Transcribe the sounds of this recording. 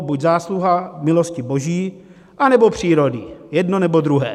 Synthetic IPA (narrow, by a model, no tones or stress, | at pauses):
buɟzaːsluɦamɪloscɪboʒiː | ʔanɛbopr̝̥iːɾo̞dɪjɛdno̞nɛbod̪ɾuɦɛ̰ː